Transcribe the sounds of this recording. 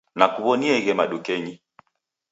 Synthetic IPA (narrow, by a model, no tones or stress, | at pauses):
nakuβɔniɛɣɛmaɗukɛɲi